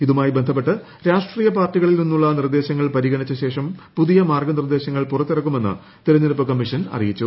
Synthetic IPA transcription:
iðumaːjibe̞nd̪ʱɐpːe̞ʈːɨ | ɾaːʂʈriːjɐpaːrʈːiɣɐɭilninːuɭːɐnird̪e̞ːɕɐŋːɐɭpɐɾiɣɐɳit͡ɕːɐɕe̞ːʂɐmpuðijɐmaːrɡɐnird̪e̞ːɕɐŋːɐɭpurɐt̪ːirɐkːume̞nːɨ̰ | t̪iɾɐɲːɐlupːɐkɐmːiʂɐnɐ̰rijit͡ɕːu

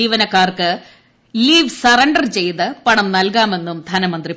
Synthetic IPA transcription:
iːʋɐnɐkːaːrkɨ | liːʋsɐrɐɳɖɐrt͡ɕe̞jt̪ɨpɐɳɐmnɐlkaːme̞nːumd̪ʱɐnɐmɐnd̪ri

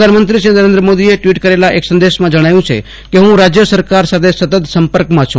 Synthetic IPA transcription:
d̪ʱanmənt̪ɾiʃinəɾẽnd̪ɾəmod̪ieʈʋiʈkəɾelaʔeksə̃nd̪eʃmãd͡ʒəɽ̃ajũt͡ʃʰḛ | keɦũɾad͡ʒjəsəɾkaɾsat̪ʰesət̪ət̪səmpəɾkmãt͡ʃʰṵ̃

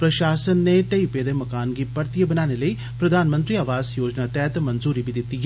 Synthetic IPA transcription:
pɾɐʃaːsənːeʈɐipeːd̪emɐkaːnɡipɐɾt̪ijəbɐnaːnelɐi | pɾɐd̪ʱaːnmə̃nt̪ɾiɐʋaːzjoːd͡ʒnat̪ɛːt̪mɐnzuːɾibid̪ɪt̪ːi

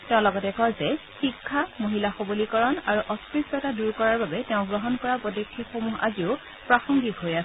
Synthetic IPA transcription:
tɛʊ̃lɔɡɔtɛkɔɹzɛxikʰːamoɦilaxobolikɔɹɔnaɹuʔɔspɹistɔtaduɹkɔɹaɹbabɛtɛʊ̃ɡɹɔɦɔnkɔɹapɔdɔkʰːixomuɦa̰ziʊ | pɹaxɔŋɡitɦojas

